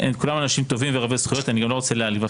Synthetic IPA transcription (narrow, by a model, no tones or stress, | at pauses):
enkulamanaʃimt̪o̞vimveʁavesχujo̞t̪aniɡamloot͡selealiva